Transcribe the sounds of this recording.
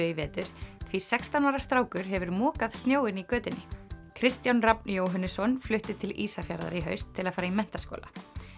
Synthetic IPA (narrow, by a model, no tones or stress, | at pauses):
ʏivɛːt̪ʏɾ̥θʰvisɛkst̪anaɾḁst̪ɾaːwkʏɾ̥ɦɛvʏɾmɔːkað̥st̪njoːwɪnikœːt̪ɪnːɪkʰɾɪst̪janrapnjoːwɦanːʏsɔnflʏht̪ɪt̪ʰɪlḭːsafja̰ɾða̰ɾiɦœ̰ɥst̪ʰːɪlaðfaːɾaimɛn̥t̪askɔ̰ːlʔa̰